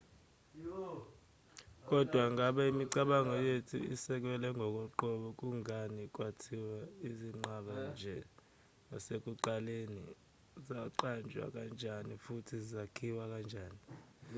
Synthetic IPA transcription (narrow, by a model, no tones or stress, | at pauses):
k̬ʼɔd̥ʱwaŋʱaɓaimiǀaɓaŋɔjetʰṵḭsɛk̬wɛlɛŋɡʱɔk̬ʼɔǃɔɓɔk̬ʼuŋanik̬ʼwatʰiwaiziŋ͡ǃaɓand͡ʒʱɛ | nɔsek̬ʼuǃalenḭ | zaǃand͡ʒʱwa̰k̬ʼand͡ʒʱanifutʰizizakʰiwak̬ʼand͡ʒʱaːni